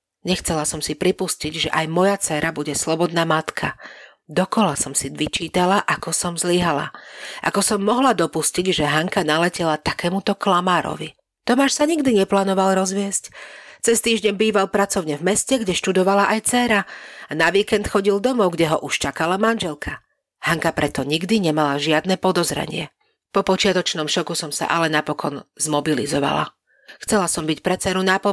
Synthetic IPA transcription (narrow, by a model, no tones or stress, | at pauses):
ɲɛxt͡sɛlasɔmsipɾipusciɟʒɛʔajmɔjat͡sɛːɾabuɟɛslɔbɔd̪naːmat̪kʰa | d̪ɔkɔlasɔmsiʋit͡ʃiːt̪alaʔakɔsɔmzliɦala̰ʔa̰kɔsɔmːɔɦlad̪ɔpusciɟʒɛɦaŋkanalɛcɛlat̪akɛːmut̪ɔklamaːɾɔ̰ʋi | t̪ɔmaːʃsaɲiɡd̪iɲɛplaːnɔʋalɾɔzʋɪɛsct͡sɛst̪iːʒɲɛɲbiːʋalpɾat͡sɔʊɲɛvmɛscɛɡɟɛʃt̪ud̪ɔʋalaʔajt͡sɛːɾaanaʋiːkɛnt̪xɔɟild̪ɔmɔʊɡɟɛɦɔʔuʃt͡ʃakalamanʒɛlkʰa | haŋkapɾɛt̪ɔɲiɡd̪iɲɛmalaʒɪad̪nɛpɔd̪ɔzɾɛ̰ɲɪɛ | pɔpɔt͡ʃɪat̪ɔt͡ʃnɔmʃɔkusɔmsa̰ʔalɛnapɔkʰɔnzmɔbilḭzɔʋa̰la̰ | xt͡sɛlasɔmbicpɾɛt͡sɛɾunapɔ